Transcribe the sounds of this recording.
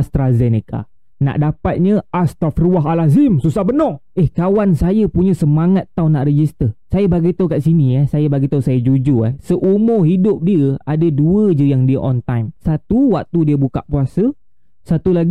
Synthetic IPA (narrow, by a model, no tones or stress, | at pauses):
ast̪ɾazɛneka̰ | na̰ʔdapat̪̚ɲə̃ʔast̪afɾuaɦalazimsusahbənɔehkawansajəpuɲə̃səmaŋat̪ːawnaʔɾəd͡ʒist̪əsajəbaɡit̪okaʔsiniasajəbaɡit̪əsajəd͡ʒud͡ʒʊahsəʔumʊrɦidʊp̚diəadəduəd͡ʒəjaŋdiəʔɔnt̪ajmsat̪uwak̚t̪udiəbuka̰ʔpuasə | sat̪ulaɡ